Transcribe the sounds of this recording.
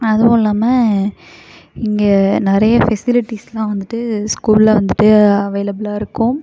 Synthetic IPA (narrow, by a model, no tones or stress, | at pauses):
ɐðɯʊ̃ːɪlːaːmɐ | ɪŋɡenɪɾɐjɐfɛsɪlɪʈːislãːʋɐnd̪ɯʈːɯskuːllɐʋɐnd̪ɯʈːɯɐʋɐːlɐbɪlaːɪɾɯkːʊ̃